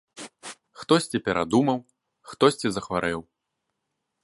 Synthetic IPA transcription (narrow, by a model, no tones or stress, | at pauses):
xt̪ɔsʲt͡sʲɛpʲɛɾʔa̰d̪umɐw | xt̪ɔsʲt͡sʲɛzɐxvaɾɛw